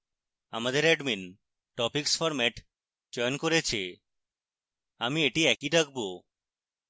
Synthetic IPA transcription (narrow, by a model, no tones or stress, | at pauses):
amad̪eɾɛɖmin | ʈɔpikspʰɔɾmɛʈ | d͡ʒɔjɔnkoɾet͡ʃʰe | amieʈiɛkiʈəkbo